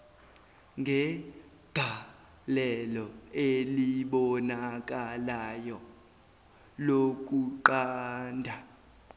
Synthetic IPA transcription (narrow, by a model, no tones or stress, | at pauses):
ŋɡʱɛ | ɡ̥ʱa | lɛlɔeliɓɔnak̬ʼalajɔ | lok̬ʼuǃaːndʱa